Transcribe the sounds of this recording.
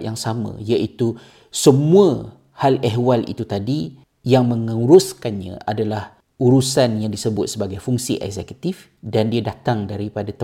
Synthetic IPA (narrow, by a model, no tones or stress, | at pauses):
jaŋsamə̰̃jaʔit̪u | səmũə | halɛɦwalḭt̪ut̪adi | jaŋmə̃ŋəuɾuskanɲã̰ʔadalah | uɾusanjaŋdisəbʊt̪̚səbaɡajfuŋsḭʔɛ̰kzɛku̥t̪if | dandiadat̪aŋdaɾipadat̪